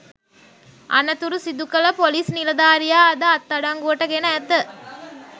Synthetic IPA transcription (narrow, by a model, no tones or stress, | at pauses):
ʔɐ̰nɐt̪uɾusid̪ukɐlɐpoliːsnilɐd̪aːɾijaːɐd̪ɐɐt̪ːɐɽaŋɡuʋɐʈɐɡenɐːt̪ə